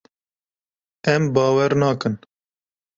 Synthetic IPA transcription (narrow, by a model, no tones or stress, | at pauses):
ɛmbɑːwɛɾnɑːkɨn